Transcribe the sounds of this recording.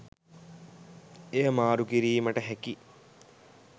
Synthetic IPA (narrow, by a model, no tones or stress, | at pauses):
ejəmaːɾukiɾiːməʈəɦæki